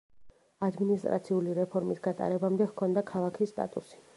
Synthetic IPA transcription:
ad̪minist̪ʼɾa̰t̪sʰiuliɾɛpʰɔɾmisɡat̪ʼa̰ɾɛbamd̪ɛhkʰɔnd̪akʰalˠakʰist̪ʼa̰t̪ʼusi̥

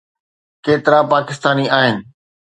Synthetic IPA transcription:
keːt̪ɪɾapaːkɪst̪aːniaːɦɪnɪ̆

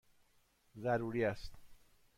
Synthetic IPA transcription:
zæɾuːɾiːæst̪

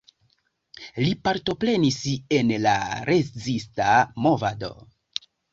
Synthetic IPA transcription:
lipaɾto̞pɾe̞nise̞nla̰ɾezistamo̞vado̞̰

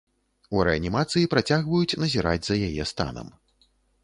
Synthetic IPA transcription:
uɾɛɐnʲimat̪sɨjipɾat͡sʲaɣvɐjut͡sʲnɐzʲiɾa̰d͡zʲzɐjajɛst̪a̰nɐ̰m

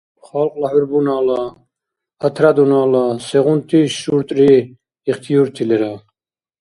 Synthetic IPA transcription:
χalqʼlahɛɾbunaːla | ət̪ʰɾad̪unaːlasɛʁunt̪ʰiʃuɾt̪ʼɾiː | χt̪ʰijuɾt̪ʰilɛɾa

